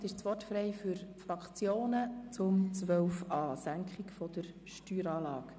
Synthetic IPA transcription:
tɪʃt͡sʋɔtfrɛɪfyɾfrɑkt͡sjoːnət͡sʊmt͡sʋœwfɑːsæŋkʰχɪkfɔd̥̪əɾ | ʃtyːɾɑːlɑːk

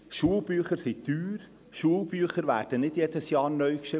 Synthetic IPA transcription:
ʃuəlˠbyːχəɾsityːɾ | ʃuːlbyəχəɾʋæːrd̥ənɪdjɛdəsjɑːɾnœʏkʃɪ

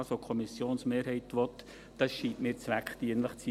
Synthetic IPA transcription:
sokʰɔmisjoːnsmeːɾhɛɪt̪ʋɔt̪ | d̥ɑsʃiːtmɪːɾt͡sʋækχt̪iənləχt͡si

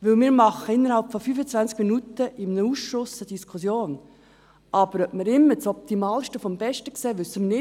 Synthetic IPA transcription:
ʋɵlmɪːɾmɑχəɪnːəɾhɑlpfɔfyfət͡sʋænt͡skminut̪əʔɪmnəuːsʃʊsəd̥iskʰʊsjoːn | ʔɑb̥əɾœpməɾɪmːəɾt͡sɔp̚t̪imɑːlʃtəfɔmbɛʃtəkseːʋʏsːəmənɪ

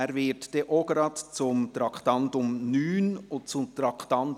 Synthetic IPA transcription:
ɛɾvɪtd̥eʔoɡəɾɑt̪t͡sʊmt̪ɾɑktɑntʊmnyːnʊnt͡sʊmt̪ɾɑktɑnt

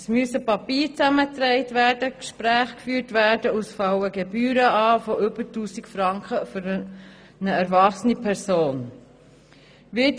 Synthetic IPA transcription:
ɛsmyəsəpɑpiːɾt͡sæmət̪ɾɛɪtvæːdəkʃpɾæːχkfyːɾtvæːɾdəusfɑwəɡɛbyːɾəɑːfɔʔʏbəɾtuːsikfɾɑŋkχəfʏɾ | nəɛɾvɑχsənipʰɛɾsoːn | ʋɪ

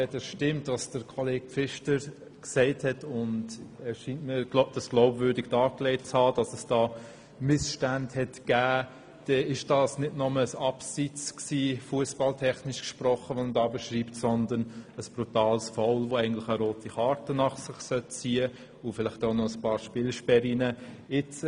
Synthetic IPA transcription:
ɛdəsʃtɪmtɑsd̥əɾkʰɔleːɡ̥̚fɪʃtəɾ | ksɛɪthɛtʊndɛʃiːntmiːɾd̥ɑsɡ̥laʊbvʏɾdɪɡd̥ɑːklɛɪt̚t͡shɑːd̥ɑsəsd̥ɑː | mɪsʃtændhɛtɡ̥æː | d̥ɛɪʃd̥ɑːsnɪdnɔməəsɑpsit͡sksiːfuəsb̥ɑltʰɛχnɪʃkʃpɾɔχəʋomdɑːbəʃɾiːptsɔnd̪ənəsb̥ɾutɑːlsfaʊlvoɛɪɡn̩tlɪχəɾoːtiχɑːɾtənɑχsɪχsœt̚t͡siːə | ʊfɪlɪχtoʊnɔəspɑːɾʃpɪːlʃpɛɾinə | ɪt͡s

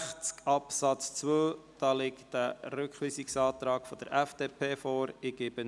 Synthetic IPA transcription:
χt͡skɑpsɑt͡st͡sʋøːd̥ɑːlɪkæɾʏkχʋiːsɪksɑːt̪ɾɑːɡ̥fɔd̥̪əɾʔɛfd̥eːpʰeːfɔːɾɪɡ̥ɪb̥ə

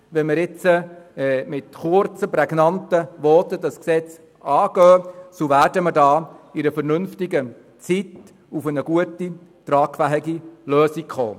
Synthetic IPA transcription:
ʋɛməɾɪt͡səɛːmɪtχʊɾt͡səpɾɛɡnɑntəʋɔtədɑsksɛt͡s | ɑːɡ̥œːsoʋæːrdəməɾdɑːɪɾəfəɾnʏnftɪɡə | t͡sit | ufənəɡ̥uəti | t̪ɾɑːkfæɦiɡilœːsikχo̰ː

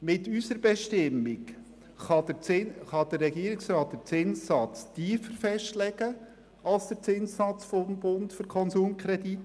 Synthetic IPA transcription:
mɪtysəɾb̥ɛʃtɪmːik | χɑɪχɑd̥ərːɛɡiəɾɪksrɑːt̚d̥əɾt͡sɪnssɑt͡stiːfəɾfɛʃtlɛɡə | ɑlsd̥əɾt͡sɪnsɑt͡sfɔmbʊntfʏɾkʰɔnsuːmkʰɾɛdit

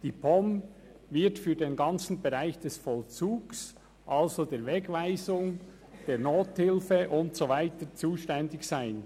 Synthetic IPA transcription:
d̥iːpʰɔmvɪɐtfyːɐdenɡɑnt͡sn̩beʁaɪçd̥ɛsfɔlt͡suːɡs | ʔalzodeːɾvɛɡvaɪzʊŋ | d̥eːʁnoːthɪlfəʔʊntsovaɪtət͡suːʃtɛndɪçsaɪn

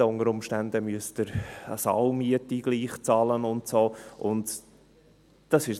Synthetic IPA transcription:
əʊnəɾʊmʃtændəmyəstd̥əɾɑ̰sɑ̰ʊwmiətiɡ̥liːχt͡sɑːlənʊntsoːʔʊnt | d̥ɑsɪʃ

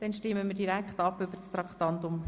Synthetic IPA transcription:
d̥ɛnʃtɪmːəməɾdiɾækχtɑpːʏbəɾst̪ɾɑkχtɑnt̪ʊm

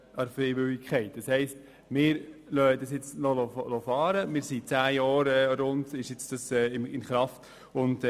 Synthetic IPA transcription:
ɑɾfɾɛɪvʏɪkʰχɛɪtd̥ɑshɛɪst | mɪːɾlœəd̥ɑsjɪt͡snɔlolofɑːɾəmɪːɾsit͡sæːjɑːɾɛɾʊndɪʃjɪt͡sd̥ɑsɛːɪmɪnχɾɑft | ʊnd̥

